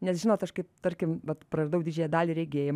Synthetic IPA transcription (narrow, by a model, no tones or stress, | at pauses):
nʲɛsʒʲɪnoːt̪ɐʃkɐɪpt̪ɐɾʲkʲɪmʋɐt̪prɐrɐd̪ɐʊd̪ʲiːd͡ʒʲɛjɛd̪ɑːlʲiːɾʲɛɪɡʲeːjɛm